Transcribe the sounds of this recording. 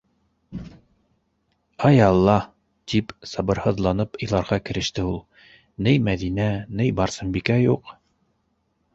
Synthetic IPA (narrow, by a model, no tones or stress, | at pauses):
ɑjɑlˠːɑ | t̪ipsɑbɤ̆ɾhɤ̆ðlˠɑnɤpɤ̆jlˠɑɾʁɑkɘ̆ɾɘ̆ʃt̪ɘulˠ | nɘjmæðinænɘjbɑɾsɤmbikæjuq